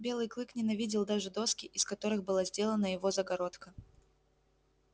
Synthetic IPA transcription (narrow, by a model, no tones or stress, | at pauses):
bʲe̞lˠɨjklˠɨknʲɪnɐvʲidʲɪlˠd̪aʐɨd̪o̞skʲɪʔɪskɐt̪o̞ɾɨxbɨlˠazʲdʲe̞lˠənəjɪvo̞zəɡɐɾo̞t̪kə